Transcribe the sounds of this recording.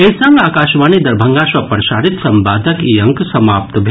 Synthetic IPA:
esɐŋɡaːkaːʃʋaːnid̪ɐɾbʱɐŋɡaːʃʋɐpɐɾɐʃaːɾit̪sɐmbaːd̪ʱɐkiɐŋksɐmaːp̚t̪bʱe

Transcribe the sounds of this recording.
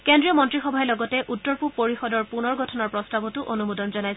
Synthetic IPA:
kendɹijɔmɔntɹixɔbʱaɛlɔɡɔtɛʔutːɔɹpupoɹixɔdɔɹpunɔɹɡɔtʰɔnɔɹpɹɔstabɔtʊʔonumudɔnzɔnajs

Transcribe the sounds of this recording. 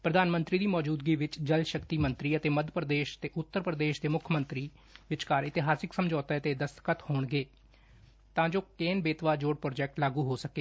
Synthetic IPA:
pɾəd̪aːnmənt̪ɾiːd̪iːmɔːd͡ʒuːd̪̚ɡiːʋɪt͡ʃd͡ʒəlʃəkt̪iːmənt̪ɾiːət̪eːməd̪ʱpɾəd̪eːʃə̥t̪eːʔʊt̪ːəɾpɾəd̪eːʃd̪eːmʊkʰjəmənt̪ɾiː | ʋɪt͡ʃkaːɾɪt̪ɪɦaːsɪksəmd͡ʒɔːt̪aːət̪eːd̪əst̪kət̪hoːɳɡeː | t̪ãːd͡ʒoːkeːnbeːt̪ʋaːd͡ʒoːɽpɾoːd͡ʒɛːk̚ʈlaːɡuːɦoːsəkeː

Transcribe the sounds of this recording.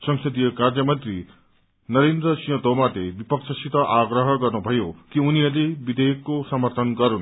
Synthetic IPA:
sʌŋsʌd̪ijkaɾd͡ʒʌmʌnt̪ɾi | nʌɾend̪ɾʌsijɔ̃d̪ɔmad̪ebipʌksʰʌsit̪ʌʔaɡɾʌɦʌkʌɾnubʱʌjokiuniɐd̪ebid̪ʱejkːosʌmʌɾt̪ʰɔnkʌɾun

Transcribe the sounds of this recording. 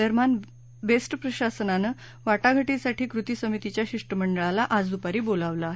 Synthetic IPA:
əɾman | besʈəpɾəɕasənanə | ʋaʈaɡʱəʈisaʈiːkɾut̪isəmit̪it͡ɕjaɕiʂʈəməɳɖəɭalaʔad͡zd̪upaɾiːbolaʋlaaːɦe

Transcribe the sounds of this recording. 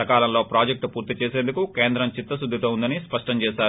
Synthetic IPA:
ɐkaːlɐmlo̞ːpɾaːd͡ʒek̚ʈpuːɾt̪it͡ʃeːse̞ːnd̪ukukeːnd̪ɾɐmt͡ʃit̪ːɐsud̪ʱːit̪oːund̪ɐnispɐʂʈɐmt͡ʃɛːʃaːɾ

